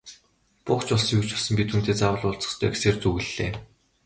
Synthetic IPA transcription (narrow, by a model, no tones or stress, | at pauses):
pʊχt͡ɕʊɮsiut͡ɕʊsə̆mpʲit̪ʰuːnt̪ʰeːt͡sawə̆ɮʊːɮt͡sə̥̆χst̪ʰœkseːrt͡suɣɘ̆ɮ̥ːeː